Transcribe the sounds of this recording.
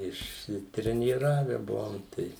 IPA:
ɪʃʲsʲɪtʲrʲɛnʲiːˈrɑːʋʲɛ ˈbʊʋoːm ˈtɐɪ

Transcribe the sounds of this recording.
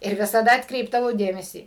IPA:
ɪr ʋʲɪsɐˈdɐ ɐtkˈrʲɛɪbdɐʋɐʊ ˈdʲeːmʲɛsʲiː

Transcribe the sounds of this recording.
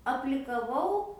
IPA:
ɐpʲlʲɪkɐˈʋɐʊ

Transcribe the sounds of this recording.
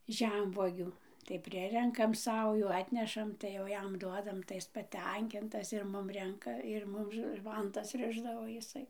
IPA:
ˈʒʲɛmʋuɔɡʲuː tɐɪ ˈpʲrʲɪrʲɛŋkɐm ˈsɐʊjuː ˈɑːtʲnʲɛʃɐm tɐɪ jɛʊ ˈjɛm ˈduɔdɐm tɐɪ ˈɪs pɐˈtʲɛŋʲkʲɪntɐs ɪr ˈmʊm ˈrʲɛŋkɐ ɪr ˈmʊm ˈʋɐntɐs ˈrʲɪʒdɐʋoː jɪˈsɐɪ

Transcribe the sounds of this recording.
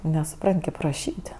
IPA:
nʲɛsʊˈprɐnʲtʲ kʲeːp rɐˈʃʲiːtʲ

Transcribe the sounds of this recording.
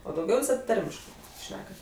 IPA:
oː dɐʊˈɡʲɛʊ ʋʲɪˈsɐt ˈtɐrʲmʲɪʃkɜ ˈʃʲnʲæːkɐt

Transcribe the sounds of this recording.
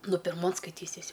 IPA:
ˈnʊ pʲɪrˈmoːn skɐɪˈtʲiːsʲɪsʲ

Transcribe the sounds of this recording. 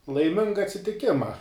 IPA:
lˠɐɪˈmʲɪŋɡɐ ɐtʲsʲɪtʲɪˈkʲɪmɐ

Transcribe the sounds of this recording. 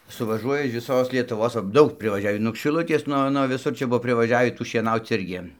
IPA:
sʊʋɐˈʒuɔjɛ ɪʃ ʋʲɪˈsoːs lʲiɛtʊˈʋoːs ʋɐ ˈdɐʊk pʲrʲɪʋɐˈʒʲæːʋʲiː nuɔk ʃʲɪˈlˠʊtʲeːs ˈnuɔ nuɔ ʋʲɪˈsʊr ˈt͡ʃʲɛ ˈbʊʋoː pʲrʲɪʋɐˈʒʲæːʋʲiː ˈtuː ʃʲiɛˈnɐʊt͡s ˈɪrʲɡʲɪ

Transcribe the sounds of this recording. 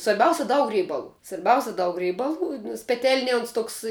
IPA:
sʋɐrʲˈbʲɛʊsʲɛ ˈdɐʊk ˈrʲɛɪbɐlˠuː sʋɐrʲˈbʲɛʊsʲɛ dɐʊk ˈrʲɛɪbɐlˠuː nʲɛs pʲɛˈtʲɛlʲnʲiɛ oːns ˈtoːks

